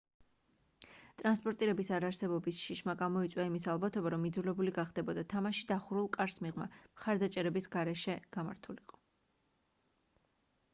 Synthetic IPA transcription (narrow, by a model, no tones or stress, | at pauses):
t̪ʼɾanspʼɔɾt̪ʼiɾɛbisaɾaɾsɛbɔbisʃiʃmaɡamɔit̪sʼwaimisalˠbat̪ʰɔbaɾɔmid̪zulɛbuliɡaχd̪ɛbɔd̪at̪ʰamaʃi̥d̪aχuɾulˠkʼaɾsmiʁma̰mχaɾd̪at͡ʃʼɛɾɛbisɡaɾɛʃɛɡ̥ama̰ɾt̪ʰuliqʼɔ̥